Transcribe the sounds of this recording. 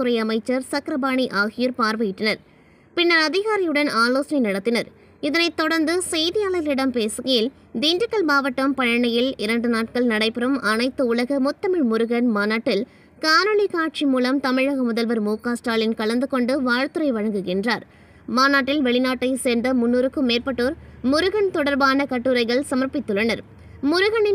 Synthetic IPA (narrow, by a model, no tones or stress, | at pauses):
t̪ɯɾɐɪɐmɐɪt͡ʃːɐɾsɐkɾɐbaːɳiʔaːɣɪjɐɾpaːɾʋɐjɪʈːɐnɐɾ | pɪnːɐɾɐðɪɣaːɾɪjɯɽɐnaːloːsɐnɐɪnɐɽɐt̪ːɪnɐɾ | ɪðɐnɐɪt̪ːɔɽɐɾnd̪ɯsɛjðɪjaːlɐjɐlɪɽɐmpeːsɯɣɐjɪl | d̪iːndɪkːɐlbaːʋɐʈːɐmpɐɻɐɳɐjɪlɪɾɐɳɖɯnaːʈ̚kɐɭnɐɽɐɪpɪɾɐmɐnɐɪt̪ːɯʊɭɐɣɐmʊt̪ːɐmɪɻmʊɾʊɣɐnmaːnaːʈːɪl | kaːnɐɭikaːʈ̚t͡ʃimuːlɐmt̪ɐmɪɻɐɣɐmʊðɐlʋɐɾmuːkaːsʈɾaːlɪnkɐɭɐnd̪ɯkɔɳɖɯʋaːɻt̪ɯɾɐɪʋɐɻɐŋɡɯɣɪndraːɾ | maːnaːʈːɪlʋɛɭɪnaːʈːɐɪseːɾnd̪ɐmʊnːuːɾɯkːɯmːeːrpɐʈːoːɾmʊɾʊɣɐnt̪ɔɽɐɾbaːnɐkɐʈːɯɾɐɪɣɐɭsɐmɐɾpɪt̪ːʊɭɐnɐɾ | mʊɾʊɣɐnɪ